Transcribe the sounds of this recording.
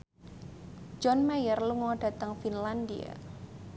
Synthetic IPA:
d͡ʒɔnmajərluŋɔɖ̥a̤t̪əŋfinlandḭa̰

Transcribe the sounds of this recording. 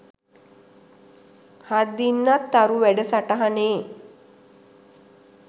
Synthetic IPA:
had̪ːinːat̪ːaɾuʋæɖəsaʈaɦaneː

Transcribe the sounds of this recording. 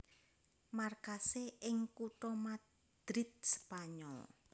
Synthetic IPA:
markaseɪŋkutɔma | d̪̥ɾɪt̪̚sə̥paɲɔ̰l

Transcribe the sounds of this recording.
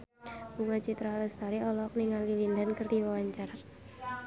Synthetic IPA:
buŋat͡ʃit̪ɾaːləst̪aɾiɔlɔk̚niŋalilindankərdiwawaɲt͡ʃaɾa

